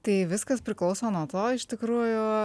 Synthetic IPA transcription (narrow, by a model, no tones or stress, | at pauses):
t̪ɐɪʋʲɪskɐspʲɾʲɪklˠɐʊsoːnuɔt̪oːɪʃt̪ʲɪkɾuːjʊ